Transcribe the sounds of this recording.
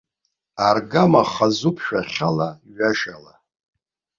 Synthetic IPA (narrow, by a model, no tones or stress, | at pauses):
arɡamaχazupʰʃᶣaχʲalaɥaʃala